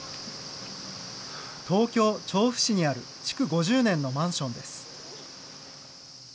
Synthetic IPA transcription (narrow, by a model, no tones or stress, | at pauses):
t̪o̞ːkʲo̞ːt͡ɕo̞ːɸɯ̟̥ɕiɲ̟iaɾɯ̟̰ | t͡ɕi̥kɯ̟ɡo̞ʑɨːnẽ̞nːo̞mãɰ̃ɕõ̞nd̪e̞sɨ̥